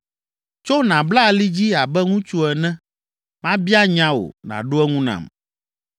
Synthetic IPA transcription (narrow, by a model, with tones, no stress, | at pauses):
t͡ʃo˦nã˨bla˦˨li˦d͡ʑi˦a˨bɛ˦ŋũ˦t͡ʃu˦ɛ˨nɛ̃˦ | mã˦bi˦a˦ɲã˨wo̰˨nã̰˨ɖo˦ɛ˦ŋũ˦nã̰˨m